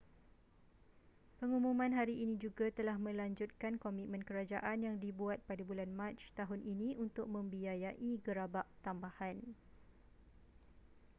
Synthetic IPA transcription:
pəŋumũmãnɦaɾiʔinĩd͡ʒuɡat̪əlahmə̃laɲd͡ʒʊt̪̚kankomit̪̚mə̃nkəɾad͡ʒaʔanjaŋdibuat̪̚padabulanmãt͡ʃt̪aɦʊnʔinĩunt̪ʊk̚mə̃mbiajaʔiɡəɾabaʔt̪ambahan

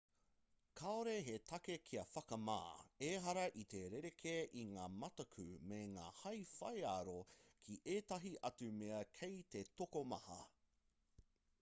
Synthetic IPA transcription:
kʰaoɾeɦetʰɐkekʰiɐfɐkɐma̰ːeɦɐɾɐʔit̪e̞ɾeɾekʰeʔiŋaːmɐt̪ɐkʰʉ̰meŋa̰ːhɐjfɐjaɾokʰiʔeːt̪ɐɦiʔɐt͡sumeɐkʰejt̪e̞tokomɐhɐ̰

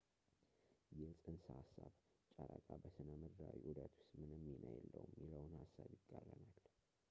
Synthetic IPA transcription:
jɛsʼɨnsahasːaβ | t͡ʃʼaɾakʼabəsɨnəmɨɾːawiʔud̪ət̪ʰʊ̥st̪mɨnəmːinʔajɛlːəwumjɪləwnhasːaβjɪɡʼːalːənal

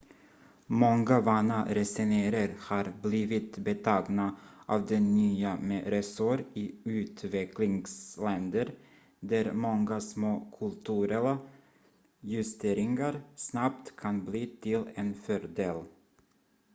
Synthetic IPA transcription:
mɔŋɡavɑːnaɾɛsɛneːɾəɾhɑɾbliːvɪt̪bɛt̪ʰɑːɡnaʔɑ̰ːvd̪ɛnːyːamɛɾɛsɔɾɪʉ̟ːt̪vɛklɪŋslɛnd̪əɾ | d̪æɾmɔŋɡasmoːkʰɵlt̪ʰʉɾɛla | jɵst̪ʰeːɾɪŋaɾsnap̚t̪kʰanbliːt̪ʰɪlɛnfœɾd̪eːl

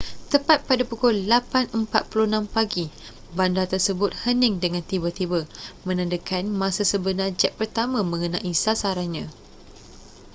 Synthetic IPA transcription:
t̪əpat̪̚padapukɔllapanəmpat̪̚pulunãmpaɡi | bandat̪ərsəbʊt̪̚hənɪŋdəŋãnt̪ibət̪ibəmə̃nãndəkʰanmãsasəbənad͡ʒɛʔ̚pərt̪amãmə̃ŋənaʔisasaɾanɲã

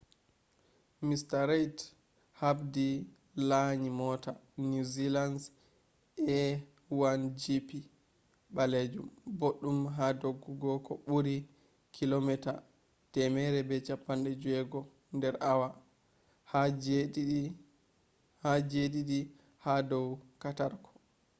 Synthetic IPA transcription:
mistaɾajt | habdi | laɲimɔːtanuzilans | ʔɛ | wand͡ʒipi | ɓaled͡ʒumboɗːumɦadoɡːuɡɔkɔɓuɾi | kʰilomɛta | tɛmɛɾɛbɛt͡ʃapːanɗɛd͡ʒuɛɡɔ | ndɛɾawa | ha | had͡ʒediɗi | hadɔwkataɾkʰɔ̥

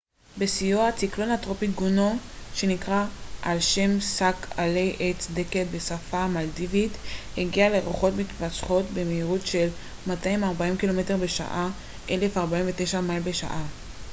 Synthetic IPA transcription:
besijoat͡siklo̞nhatʁopitɡunoʃe̞nikʁaʔalʃemsakʰalejʔet͡sdeket̚be̞safamaldivitheɡialeʁoχo̞tmit̪pasχo̞tbe̞meiʁutʃe̞l | mataimaʁbaimkilo̞mete̞ʁbe̞ʃa̰ʔa | ʔe̞le̞faʁbaiɱveteʃamailbe̞ʃa̰ʔa

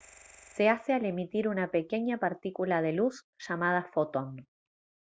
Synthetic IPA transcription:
seasealemit̪iɾunapeke̞ɲapaɾt̪ikulað̞elus | ʃamað̞afot̪on

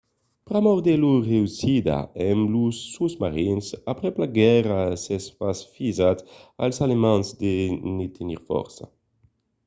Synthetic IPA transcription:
pɾamɔɾd̪eluʁeusid̪a̰ɛmlusːusmaɾinsapɾɛplaɡɛɾasɛsfasfizat̪a̰lsalemãnzd̪enit̪ʰeniɾfɔ̰ɾsa̰

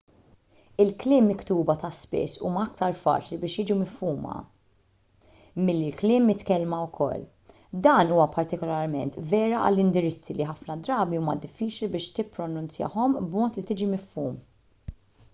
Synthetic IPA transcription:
ɪlklɪːmːɪkt̪uːbɐt̪ɐspɪ̰sːṵːmɐɐk̚t̪ɐɾfɐ̰ːt͡ʃlibɪːʃjɪːd͡ʒumɪfːuːmɐ̰ | mɪlːilklɪːmːɪt̪kɛlmɐwkʰɔ̰lː | d̪ɐːnuːwɐpɐɾt̪ɪkɔlɐɾmɛnt̪vɛːɾɐɐ̰lːɪnd̪ɪɾɪt͡sːiliħɐfnɐd̪ɾɐːbiuːmɐd̪ɪfːiːt͡ʃlibɪːʃt̪ɪpːɾɔnʊnt͡sjɐ̰ħɔmbmɔːt̪lit̪ɪːd͡ʒimɪfːuːm

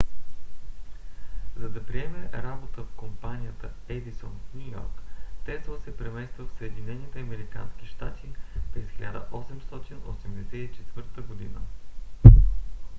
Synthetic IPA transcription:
zɐd̪ɐpɾiɛmɛɾabot̪əfkompanʲijət̪əɛd̪isɔnfnʲujɔ̰ɾkt̪ɛsvəsɛpɾɛmɛst̪vəfsəɛd̪inɛnit̪ɛɐmɛɾika̰nski̥ʃt̪at̪ʰipɾɛsxilʲa̰d̪ə̰ʔɔsɛmst̪ɔt̪ino̰sɛmd̪ɛsɛt̪it͡ʃɛt̪vɤɾt̪əɡod̪ḭnə̰

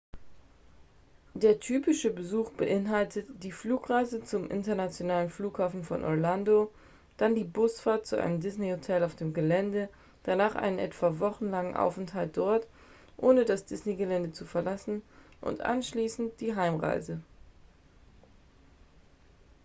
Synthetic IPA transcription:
d̥eːɐtʰyːpɪʃəbəzuːxb̥əʔɪnɦaltʰətd̥iːfluːkʁaɪzət͡sʊmʔɪ̰ntɐnat͡sjonaːlənfluːkhaːfn̩fɔ̰nʔɔ̰ʁlando | d̥andiːbʊsfaɐt̚t͡suʔa̰ɪnəmdɪsnehotʰɛlaʊfd̥eːmɡəlɛndə | d̥anaːχʔa̰ɪnənʔɛtv̥avɔχn̩laŋənʔa̰ʊfɛnthalt̚d̥ɔɐt | ʔoːnədasd̥ɪsneɡəlɛndət͡sufɛɐlasn̩ʔʊ̰ntʔa̰nʃliːsn̩t̚d̥iːɦaɪmʁa̰ɪzə

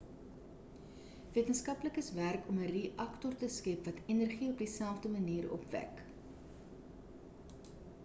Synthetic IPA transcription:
viətənskɐpləkəsværkɔməriʔɐktɔrtəskɛpvɐtʰɛnərχiɔpdisælˠfdəməniːɾɔ̰pvæ̰k

